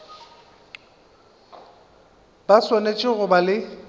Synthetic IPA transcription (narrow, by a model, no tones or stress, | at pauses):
baswanet͡ʃʼɪɣʊbalɪ